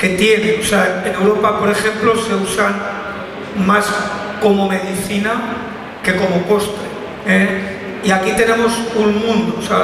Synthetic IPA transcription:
ke̞t̪je̞nẽoseaene̞wɾo̞papo̞ɾe̞xe̞mplo̞se̞usan | mas | ko̞mo̞me̞ðiθina | ke̞ko̞mo̞po̞st̪e | e | iakit̪e̞nẽ̞mo̞suŋmũnd̪osea

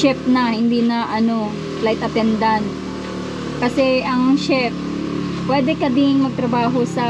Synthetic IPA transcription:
ɛp̚nɐhɪnd̪iːnɐʔɐno | plajt̪ɐt̪ɛnd̪ant̪ | kɐsɛʔɐŋʃɛp̚ | pːwɛːd̪ɛkɐd̪ɪŋmɐɡ̚t̪ɾɐbaːɦosɐ

